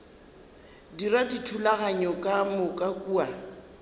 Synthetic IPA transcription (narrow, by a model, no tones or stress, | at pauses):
diraditʰulaɣaɲɔkʼamʊkʼakʼuːa